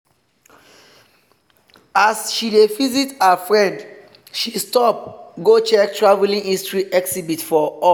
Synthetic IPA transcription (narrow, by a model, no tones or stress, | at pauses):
asʃidefizithəfɹɛ̃nd | ʃistɔp̚ɡot͡ʃɛk̚tʰɹavɛlĩŋĩstɹiʔɛksibitfɔɔ